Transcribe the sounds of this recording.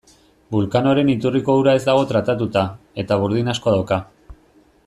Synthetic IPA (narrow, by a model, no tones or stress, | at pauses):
bulkano̞ɾe̞nit̪uriko̞uɾae̞zd̪aɣ̞o̞t̪ɾat̪at̪ut̪a | e̞t̪aβ̞uɾð̞inasko̞ðawka